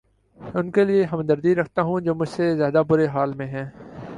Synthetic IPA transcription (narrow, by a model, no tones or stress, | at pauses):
ʊnkelieɦɐmd̪əɾd̪iɾɐkʰt̪aɦũd͡ʒoːmʊd͡ʒʱsezjaːd̪abʊɾeɦaːlmẽɦɛ̃ː